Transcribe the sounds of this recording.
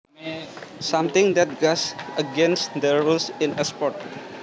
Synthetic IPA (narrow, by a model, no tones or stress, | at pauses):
sʌ̃mt̪ɪ̃ŋd̪ɛʈ̚ɡɔsəɡẽnsʈd̪əɾusɪ̃nəspɔʈ